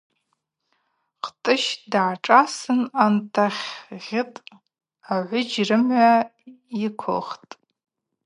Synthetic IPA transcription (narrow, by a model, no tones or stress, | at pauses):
qʰtʼɨʃdʕaʈ͡ʂʼasɨnantʰaχʲʁʲɪtʼ | aʕʷʊd͡ʒrɨmʕʷa | ikʷʰʊ̰χtʼ